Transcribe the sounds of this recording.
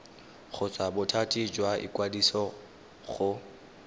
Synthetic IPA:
χʊt͡sʼabʊtʰatʼid͡ʒwaʔḭkʼwadisɔ | ɣʊ

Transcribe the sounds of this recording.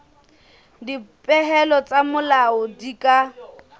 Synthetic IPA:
dipʼɛɦɛlɔt͡sʼamʊlaʊdikʼa

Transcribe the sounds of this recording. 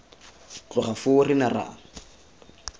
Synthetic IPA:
t͡ɬʊχafʊrɪnara̰

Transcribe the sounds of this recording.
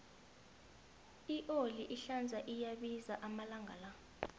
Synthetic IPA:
iʔoliʔiɬand͡zʱaʔijaɓizaʔamalaŋʱala

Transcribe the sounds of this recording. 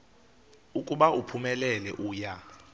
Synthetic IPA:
ukʼuɓaʔupʰumɛlɛlɛʔuːja

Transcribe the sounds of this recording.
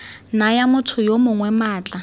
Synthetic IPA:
najamʊtʰʊjomʊŋwɛmaːt͡ɬʼa

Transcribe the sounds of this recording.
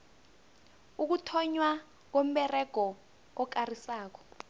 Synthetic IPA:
uk̬utʰɔɲwa | k̬om̩ɓɛrɛɡ̥ʱɔː | k̬arisaːk̬ɔ̥

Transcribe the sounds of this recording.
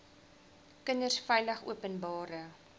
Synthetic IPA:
kənərsfɛjləχṵəpənbɑːɾə

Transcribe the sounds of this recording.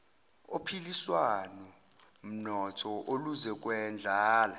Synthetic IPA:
opʰiliswanɔ | m̩nɔtʰɔʔoluzɛk̬ʼwɛnd͡ɮʱaːla

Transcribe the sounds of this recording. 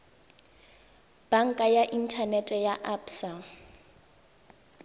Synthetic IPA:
b̥aŋ̩kʼajaʔintʰanɛtʼɛjaʔapsa

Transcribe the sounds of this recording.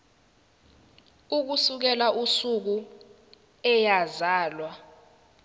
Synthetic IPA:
uk̬usuk̬ɛlaʔusuk̬u | ɛjazaːlwa

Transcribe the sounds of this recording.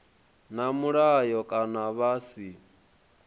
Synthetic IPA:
namuɺajɔkʼanaβaːsi

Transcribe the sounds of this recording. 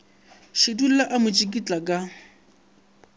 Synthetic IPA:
ʃɪdul̩laʔamʊt͡ʃʼikʼit͡ɬʼakʼa

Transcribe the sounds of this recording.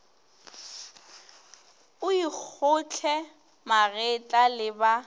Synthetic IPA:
ʊik͡xʰʊt͡ɬʰɛ | maɣɛt͡ɬʼalɪba

